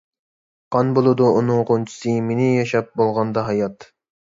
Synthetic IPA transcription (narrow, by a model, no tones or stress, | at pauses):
qɑnbolˠɨd̪uunɨŋqont͡ʃʰi̥sɨmenɪjɑʃɑp̚bolˠʁɑnd̪ɑɦɑjɑt̪